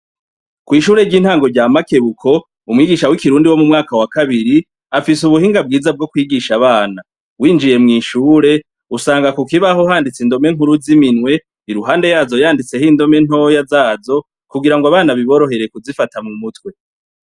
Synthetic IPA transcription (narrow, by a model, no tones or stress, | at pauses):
kwiːʃuːɾe̞ɾɟiːnhaːŋɡo̞ɾɟaːmake̞βukʰo̞ | umŋwiːɡiʃawikiɾuːndiwo̞mumŋaːkawakaβiɾi | afisuβuhiːŋɡab̚ɡiːzab̚ɡo̞kwiːɡiʃaβaːna | wiːnd͡ʒije̞mŋiːʃuːɾe̞ | usaːŋɡakukiβaɦo̞ɦaːndit͡sindo̞me̞ŋ̥uɾuziminwe̞ | iɾuɦaːnde̞jaːzo̞jaːndit͡se̞hindo̞me̞n̥o̞jazaːzo̞ | kuɡiɾaŋɡaβaːnaβiβo̞ɾo̞ɦe̞ɾe̞kuzifatamumutwe̞